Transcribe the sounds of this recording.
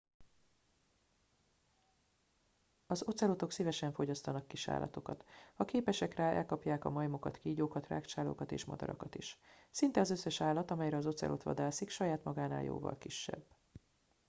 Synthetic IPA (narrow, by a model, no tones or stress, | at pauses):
ɒzo̞t̪sɛlot̪o̞ksivɛʃɛɱfo̞ɟɒst̪ɒnɒkːiʃa̰ːlʔɒ̰t̪o̞kɒt̪hɒkeːpɛʃɛkraːʔɛ̰lkɒpjaːkɒmɒjmokɒt̪kiːɟoːkɒt̪ra̰ːkt͡ʃaːlo̰ːkɒt̪eːʃmɒ̰d̪ɒ̰ɾɒkɒt̪iʃsint̪ɛɒzøsːɛʃaːlːɒt̪ɒmɛjɾɛɒzo̞t̪sɛ̰lʔo̞̰t̪ʋɒ̰d̪aːsikʃɒjaːt̪mɒɡaːna̰ːljo̰ːvɒ̰lkiʃːɛ̰bː